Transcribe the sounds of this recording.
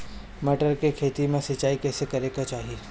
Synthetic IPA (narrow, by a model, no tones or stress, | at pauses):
mɐʈəɾkekʰeːt̪imẽsɐt͡ʃaːikɛːsekɐɾeːɡat͡ʃaːɦieː